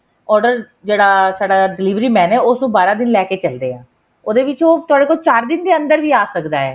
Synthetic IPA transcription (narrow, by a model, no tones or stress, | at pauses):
ɔːɾɖəɾ | d͡ʒeːɽaːsaːɖaːɖɪliːʋɾiːmɛ̃ːnɛːʊsnũːbaːɾãːd̪ɪnlɛːkeːt͡ʃəld̪eːãː | oːd̪eːʋɪt͡ʃoːt̪ʊaːɽeːkoːlt͡ʃaːɾd̪ɪnd̪eːə̃nd̪əɾʋiːaːsəkd̪aːɛː